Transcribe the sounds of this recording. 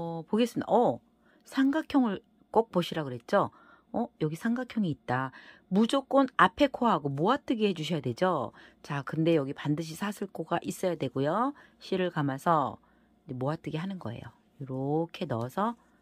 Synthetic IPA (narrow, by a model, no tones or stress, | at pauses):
ʌpoɡe̞s͈ɯmida̰ʌ | sʰaŋɡakʰjʌŋɯɭ | k͈ok̚poɕʰiɾaɡoɾe̞t̚t͡ɕ͈o | ʌjʌɡisʰaŋɡakʰjʌŋiːt̚t͈a | mud͡ʑok͈onapʰe̞kʰoɦaɡomoat͈ɯɡihe̞d͡ʑuɕʰʌjadwe̞d͡ʑot͡ɕakɯnde̞jʌɡipandɯɕ̬ʰisʰasʰɯɭk͈oɡaʔis͈ʌjadwe̞ɡojo | ɕʰiɾɯɭkamasʰʌ | id͡ʑemoat͈ɯɡiɦanɯnɡʌe̞̰jo̰ | joɾokʰe̞nʌsʰʌ